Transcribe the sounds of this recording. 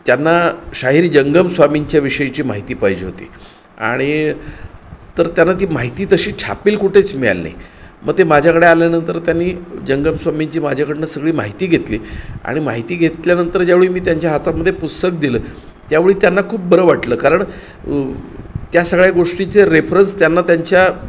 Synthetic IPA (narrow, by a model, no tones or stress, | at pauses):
t̪janːaɕaɦiːɾid͡ʑəŋɡəmsʋamiɲt͡ɕjaʋiɕəjit͡ɕiːmaɦit̪iːpajd͡ʑeɦot̪ḭː | a̰ɽ̃i | t̪əɾt̪janːat̪iːmaɦit̪iːt̪əɕiːt͡ɕʰa̰piːlkuʈʰet͡smiɭa̰lna̰jmə̰ɡ̚t̪emad͡ʑʱakəɽealjanənt̪əɾt̪janːiːd͡ʑəŋɡəmsʋamiɲt͡ɕiːmad͡ʑʱakəɽenasəɡɭiːmaɦit̪iːɡʱet̪liːa̰ɽ̃ima̰ɦit̪iːɡʱet̪ljanənt̪əɾd͡ʑjaʋeɭiːmiːt̪jaɲt͡ɕjaɦat̪aməd̪ʱːjepust̪ək̚d̪iləː | t̪jaʋeɭiːt̪janːakʰuːp̚bəɾəʋaʈləːkaɾəɳ | t̪jasəɡɭjaɡoʂʈit͡seɾefɾənst̪janːat̪jaɲt͡ɕja